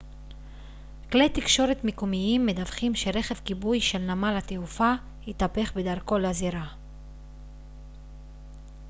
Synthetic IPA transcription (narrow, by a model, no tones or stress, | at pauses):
kle̞jt̪ikʃo̞ɾet̪mikumiimːed̪avχimʃe̞ɾe̞χe̞vkibujʃe̞lnamalhat̪eufa | hit̪ape̞χbe̞d̪aʁko̞leaziɾa